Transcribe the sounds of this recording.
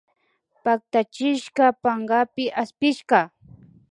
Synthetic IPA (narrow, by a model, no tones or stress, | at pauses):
pak̚t̪at͡ʃɪʃkɑpaɴɢɑpɪʔaspɪʃɢɑ